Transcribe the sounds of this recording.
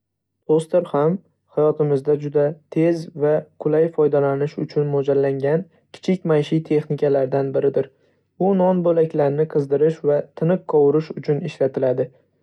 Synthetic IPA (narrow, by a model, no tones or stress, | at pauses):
pʰost̪eɾham | hajɒt̪ɪmɪzd̪ad͡ʒʊd̪at̪ʰe̞zvaqʰʊlajfɒjd̪alanɪʃʊt͡ʃʰʊnmod͡ʒalːaŋɡʲan | kʲʰɪ̥t͡ʃʰɪkʲmajʃɪt̪ʰe̞χnɪkʲalaɾd̪anbɪɾɪd̪ɪɾ | bʊnɒnbolakʲlaɾnɪqʰɨzd̪ɪɾɪʃvat̪ʰɪnɨq̚qʰɒwʊɾɪʃʊt͡ʃʰʊnɪʃlat̪ʰɪlad̪ɪ